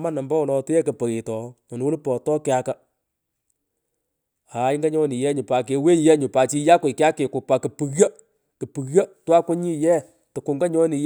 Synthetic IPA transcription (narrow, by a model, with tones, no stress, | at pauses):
ma˦na˨mba˦ɔ˨lɔ˨tʊ˦ɛ˦kə˨pə˨ɾɪ˨tɔ˨ɔ˨n˦wʊ˦lpɔ˨tɔ˦kɪ˦a˦ka˨ | a˨˦ɪ˦ŋɡa˦ɲɔ˦nɪ˨jɛ˦ɲʊ˨pa˨k̬e˨we˦ɲ˨jɛ˦ɲʊ˨pa˨t͡ʃi˧˦ja˦kʊ˨kɪ˦a˦kɪ˨kʊ˨pa˨kɨ˨pɨ˨ra˦ | kɨ˨pɨ˨ɣja˦twa˦kʷʊ˦ɲi˦˨jɛ˦ | tʊ˨kʊ˨ŋɡa˦ɲɔ˦nɪ˨j